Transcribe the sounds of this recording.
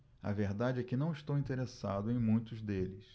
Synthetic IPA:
ɐ̰veɾd̪ad͡ʒɪɛkɪnɐ̃w̃iʃt̪owĩt̪eɾesad̪ʊẽj̃mũj̃t̪ʊzd̪elɪs

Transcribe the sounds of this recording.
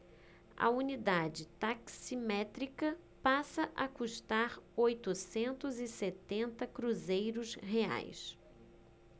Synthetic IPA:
ɐ̰unid̪ad͡ʒɪt̪aksimɛt̪ɾikɐ | pasɐʔɐkuʃt̪aɾojt̪ʊsẽnt̪ʊzɪset̪ẽnt̪ɐkɾuzejɾʊsɦea̰js

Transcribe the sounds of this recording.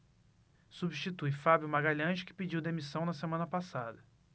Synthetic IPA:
subiʃt͡ʃit̪ujfabjʊmaɡaʎɐ̃ʒɪkɪ̥pid͡ʒiwd̪emisɐ̃w̃nɐsemɐ̃nɐpasad̪ɐ

